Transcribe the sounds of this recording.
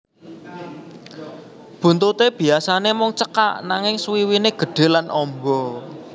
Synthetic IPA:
b̥ṳnt̪ut̪eb̥i̤asanemɔŋt͡ʃəka̰ʔnaŋɪŋswiwineɡ̥ə̤ɖ̥e̤lanʔɔmbɔ

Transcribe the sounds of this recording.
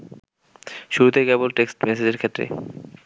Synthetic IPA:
ʃuɾut̪ejkɛbolʈeksʈmɛsed͡ʑeɾkʰet̪ːɾḛ

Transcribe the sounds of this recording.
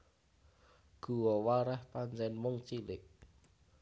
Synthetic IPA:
ɡ̥ṳwɔwaɾɛhpaɲt͡ʃɛnmʊŋt͡ʃilɪʔ̚

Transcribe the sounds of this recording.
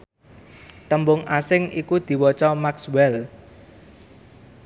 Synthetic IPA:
t̪əmbʊŋasɪŋikud̪̥i̤wɔt͡ʃɔmakswɛl

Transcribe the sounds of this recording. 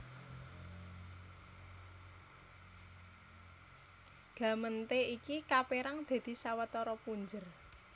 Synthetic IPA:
ɡ̥ä̤mənt̪eikikapeɾaŋd̪̥e̤d̪̥i̤sawət̪ɔɾɔpuɲd͡ʒər

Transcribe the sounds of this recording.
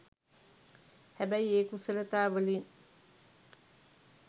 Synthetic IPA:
hæbæjeːkusəlɐt̪aːʋəlin

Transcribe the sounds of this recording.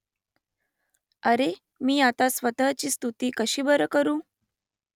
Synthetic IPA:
əɾe | miːat̪asʋət̪əɦt͡ɕiːst̪ut̪iːkəɕiːbəɾəkəɾũː

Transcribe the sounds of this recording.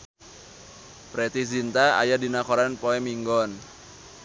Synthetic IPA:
pɾet̪izint̪aa̰jadinakɔɾanpoɛmiŋɡɔn

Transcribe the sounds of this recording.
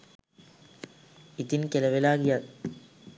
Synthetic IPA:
it̪inkeleʋelaːɡijat̪

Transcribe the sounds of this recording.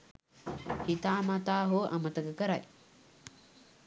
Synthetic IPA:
hit̪aːmat̪aːɦoʔa̰mət̪əkəkəɾa̰j

